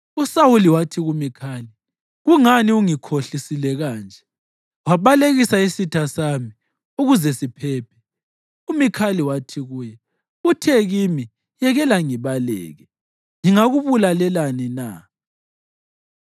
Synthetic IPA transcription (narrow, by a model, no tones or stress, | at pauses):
usawuliwatʰiɣumikʰaːli | ɣuŋaniuŋikʰoɬisilɛɣaːnd͡ʒʱɛ | waβaleɣisaisitʰasami | uɣuzɛsipʰɛːpʰɛ̥ | umikʰaliwatʰiɣuːjɛ | utʰɛɣimi | jɛɣɛlaŋiβalɛ̰ːɣɛ | ŋiŋaɣuβulalɛlanina̰